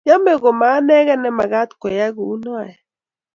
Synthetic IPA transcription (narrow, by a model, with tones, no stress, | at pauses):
ja˦me˨ɣo˨ma˨˦nɛ˦ɣɛ˦nɛ˨ma˨ɣa˦tkɔ˨ja˦ɣu˨u˦nɔ˦a˨ɛ˨